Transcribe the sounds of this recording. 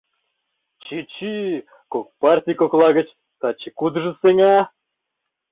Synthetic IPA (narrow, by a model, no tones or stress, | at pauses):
t͡ɕit͡ɕi | kok̚partʲijkoklˠɑɡə̆t͡ɕ | t̪ɑt͡ɕːikud̪ʐəseŋɑ